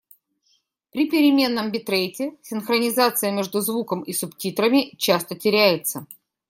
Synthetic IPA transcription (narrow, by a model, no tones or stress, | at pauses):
pɾʲɪpʲɪɾʲɪmʲe̞nːəmbʲɪt̪ɾejtʲɪsʲɪnxɾənʲɪzat̪sɨjəmʲeʐd̪ʊzvukəmisʊptʲit̪ɾəmʲɪt͡ɕast̪ətʲɪɾʲæjɪt̪sə